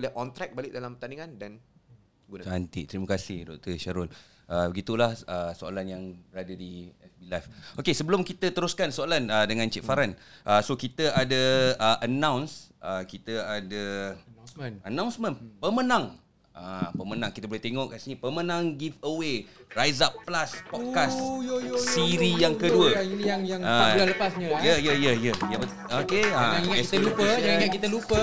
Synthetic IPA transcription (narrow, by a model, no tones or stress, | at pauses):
olɛhkɔnt̪ɾɛk̚balɪʔ̚dalampt̪aniŋãndan | ɡuant̪iʔt̪ɾiməkasihdɔk̚t̪əʃaɾʊl | ʔəbəɡit̪ulahəsoa̰lanjaŋbəɾadadiɛfbilajfokesəbəlʊmkit̪ət̪əɾuskansoalanədəŋãnt͡ʃɛʔfaɾanʔəsokit̪əʔadəəʔənãwnsʔəkit̪əadə | ənãw̃nsmə̃npəmənãŋ | ʔapəmənãŋkit̪əbolet̪eŋɔʔkasinipəmə̃nãŋɡifəwerajzapːlaspɔkassiɾijaŋkəduəinijaŋjaŋaaləpasɲajəjəjəjəjaə | okeaŋait̪əlupəd͡ʒaŋaʔkit̪əlupə